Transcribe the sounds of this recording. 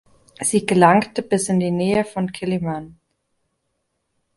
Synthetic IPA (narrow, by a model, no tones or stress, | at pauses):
z̥iːɡəlaŋktəbɪsɪndiːnɛːəfɔnkʰɪliman